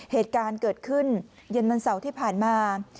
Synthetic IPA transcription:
heː˨˩t̪̚kaː˧nkɤː˨˩t̪̚kʰɯ˥˩n | je˧nwa˧nsa˩˦wt̪ʰiː˥˩pʰaː˨˩nmaː˧

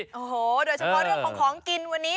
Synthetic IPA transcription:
ʔoː˨˩hoː˨˩doː˧jt͡ɕʰa˧˩pʰɔ˦˥ɾɯ˥˩əkʰa˧ŋkʰɔː˩˦ŋki˧nwa˧nːiː˦˥

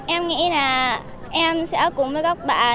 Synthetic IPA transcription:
ʔɛ˧mŋḭ˧˥naː˨˩ | ʔɛ˧msɛ̰˧˥kʊ̰˨˧˨ŋ͡mvəː˨˦jɣɔ˦˥k͡p̚ɓa̰ː˧˨˩

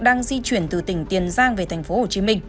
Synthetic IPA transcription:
ɗaː˧ŋzi˧t͡ɕwi˧˩ənt̪ɨ˨˩t̪ï˧˩ŋ̟t̪i˨˩ənzaː˧ŋve˨˩t̪ʰa˨˩jŋ̟fo˨˦ho˧˨˩t͡ɕi˨˦mï˧ŋ

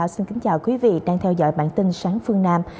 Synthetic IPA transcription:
wsi˧nkï˨˦ŋ̟t͡ɕaː˨˩wkwi˨˦vḭ˧˨ɗaː˧ŋt̪ʰɛ˧wzɔ̰˧˥˨jɓa̰ː˧˨nt̪ï˧ŋsaː˨˦ŋfɨ˧əŋnaː˧m

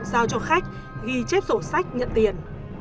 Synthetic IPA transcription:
zaː˧wt͡ɕɔ˧xa˦˥jk̟̚ | ɣi˧t͡ɕɛ˦˥p̚zo˧˩sa˦˥jk̚ɲə̰˧˨nt̪i˨˩ən

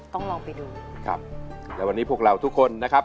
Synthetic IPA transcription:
t̪ɔ˥˩ŋlɔː˧ŋpa˧jduː˧kʰɾa̰˦˥p̚lɛː˦˥wa˧nːiː˦˥pʰu˥˩ək̚ɾa˧wt̪ʰu˦˥kʰːo˧nːa˦˥kʰa˦˥p̚

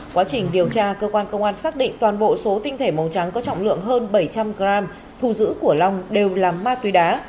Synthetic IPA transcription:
kwaː˨˦t͡ɕï˨˩ŋ̟ɗi˨˩əwt͡ɕaː˧kəː˧kwaː˧nkə˧wŋ͡mʔaː˧nsaː˦˥k̚ɗḭ̈˧˨ŋ̟t̪waː˨˩nɓo̰˧˨so˨˦t̪ï˧ŋt̪ʰe˧˩mə˨˩wt͡ɕa˨˦ŋkɔ˨˦t͡ɕɔ̰˧˨wŋ͡mlɨ̰˧˨əŋɦəː˧nɓə˧˩jt͡ɕa˧mɣɾaː˧m | t̪ʰu˨˩zɨ̰˧˥ku˧˩əla˧wŋ͡mɗe˨˩wlaː˨˩mːaː˧t̪wi˨˦ɗaː˨˦

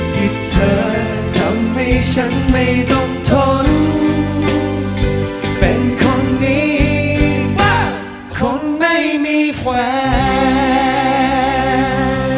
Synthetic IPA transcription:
t̪ʰi˨˧˩t̪ʰːəː˧ | t̪ʰa˨˦˥mːa˧˩jsa˧˦nma˧˩jɗɔ˧ŋ͡mt̪ʰo˧˦n | pe˨˩nkʰɔ˧˩nːi˧˥ | waː˧˩ | kʰo˧˦nma˧˩jmi˧kwaː˨˧˦

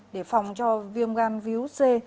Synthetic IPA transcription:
ɗe˧˩fa˨˩wŋ͡mt͡ɕɔ˧vi˧əmɣaː˧nvi˨˦wse˧

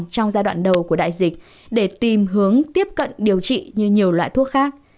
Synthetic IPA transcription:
ŋt͡ɕɔ˧wŋ͡mzaː˧ɗwa̰ː˧˨nɗə˨˩wku˧˩əɗa̰ː˧˨jzï˨˩k̟̚ | ɗe˧˩t̪i˨˩mɦɨ˨˦əŋt̪i˦˥əp̚kə̰˧˨nɗi˨˩əwt͡ɕḭ˧˨ɲɨ˧ɲi˨˩əwlwa̰ː˧˨jt̪ʰu˦˥ək̚xaː˦˥k̚

